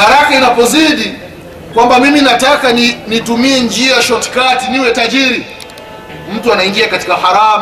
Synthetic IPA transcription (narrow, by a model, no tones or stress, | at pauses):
haɾakainapɔziɗi | kwambamiminatakaninitumiɛnd͡ʒiaʃɔtkatiniwɛtaʄiɾi | m̩tuanaiŋɡiakatikahaɾam